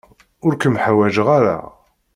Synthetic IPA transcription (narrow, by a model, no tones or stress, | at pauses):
ʊɾkəmħawæʒəʁaɾa̰